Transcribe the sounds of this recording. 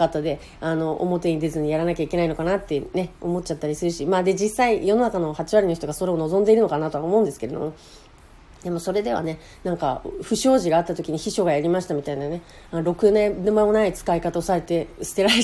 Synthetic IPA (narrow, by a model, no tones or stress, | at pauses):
kat̪ːad̪e̞ | ano̞ʔo̰mo̞t̪e̞ɲ̟id̪e̞zɨɲ̟ijaɾanakʲaike̞nainokanat̪ːene̞omo̞t̚t͡ɕat̪ːaɾʲisɨɾɯ̟ɕimaːd̪e̞d͡ʑisaijo̞no̞nakano̞hat͡ɕiβaɾʲino̞ç̬it̪oɡaso̞ɾe̞o̞no̞zond̪e̞iɾɯ̟no̞kanat̪o̞βaomo̞ɯ̟̃nd̪ɨ̥ke̞ɾe̞d̪o̞̰mo̞ | d̪e̞mo̞so̞ɾe̞d̪e̞β̞a̰ne̞ | nãŋkaɸɯ̟ɕo̞ːʑiɡaːt̪ːat̪o̞kʲiɲ̟içiɕo̞ɡajaɾʲimaɕi̥t̪amʲit̪ainane̞ | aɾo̞kɯ̟nẽɾɯ̟mamonait͡sɨ̥kaikat̪aosaɾe̞t̪e̞sɨ̥t̪e̞ɾa